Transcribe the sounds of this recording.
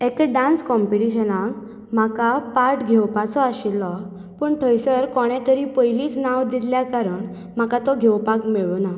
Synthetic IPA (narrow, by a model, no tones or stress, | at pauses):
ekɖãnskɔmpiʈiɕənãk | m̤akapaɾʈɡʱewpat͡sɔaɕilːɔ | pəːɳʈʰəjsəɾkɔɽ̃ɛ̃t̪əɾipəjliːt͡snawd̪illjakaɾəɳ | m̤akat̪ɔɡʱewpakmeɭuna